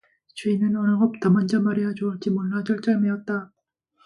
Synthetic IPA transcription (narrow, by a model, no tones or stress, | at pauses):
t͡ɕuinɯnʌnɯɡʌp̚t͈amʌnd͡ʑʌmaɾejʌt͡ɕoɯɭt͡ɕ͈imoɭːad͡ʑʌɭt͡ɕ͈ameʌt̚t͈a